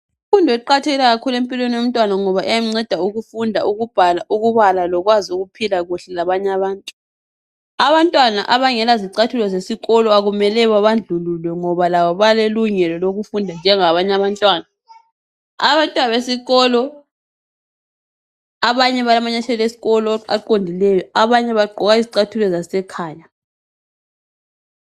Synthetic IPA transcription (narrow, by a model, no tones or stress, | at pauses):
ifundʱɛǃatʰeɣilaɣakʰulempʼilweniwom̩tʼwanaŋɔβaʔɛjam̩ŋ͡ǀɛd̥ʱauɣufundʱaʔuɣub̥ʱalaʔuɣuβalalɔɣwazuɣupʰilaɣuɬɛlaβaɲaβaːntʼu | aβantʼwana̰ʔaβaŋɛlaziǀatʰulɔzesiɣɔlɔaɣumɛlɛβaβand͡ɮʱululwɛŋɔβalaβɔβaleluŋɛlɔloɣufundʱand͡ʒʱɛŋaβaɲaβantʼwaːna | aβantʼwanaβesiɣɔlɔ | aβaɲɛβalamaɲat͡ʃʰɛlesi̥ɣɔlɔa̰ǃondʱilɛjɔaβaɲɛβaɡ͡ǃʱɔɣaiziǀatʰulɔzasɛkʰaːja